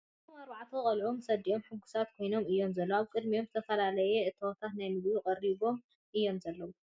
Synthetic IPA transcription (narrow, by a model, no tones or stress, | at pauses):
umaɾβaʕt̪ʰokʼɐlʕo̞msɐd̪iʔo̞mħɨŋkʰu̥sat̪kʰo̞jno̞mɨjːo̞mzɐlːoaβkʼɨd̪mijomzɨt̪ʰɐfɐlalɐjɛʔɨt̪ʰɐwot̪ʰat̪najnɨβlukʼɐɾiβo̞m | ʔɨjːo̞mzɐlːɐwu